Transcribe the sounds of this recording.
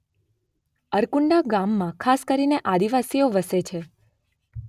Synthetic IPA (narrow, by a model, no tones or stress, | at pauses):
əɾkuɳɖaɡamːãkʰaskəɾineʔad̪iʋasijoʋəset͡ʃʰe